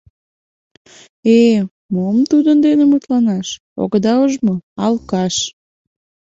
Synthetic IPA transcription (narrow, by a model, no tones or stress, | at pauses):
e | momt̪ud̪ənd̪enemut̪lɑnɑʃ | o̰ɣəd̪ɑəʒmoɑlkɑʃ